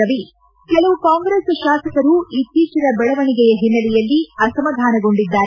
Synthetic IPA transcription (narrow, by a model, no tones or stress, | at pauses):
ɐʋi | kɛlɐʋukaːŋɡɾeːsʃaːsɐkɐɾuit̪ːiːt͡ʃɐɾɐbɛɭɐʋɐɳiɡɛjɐɦinːɐlɛjɐlːiɐsɐmɐd̪ʱaːnɐɡo̞ɳɖid̪ːaːɾ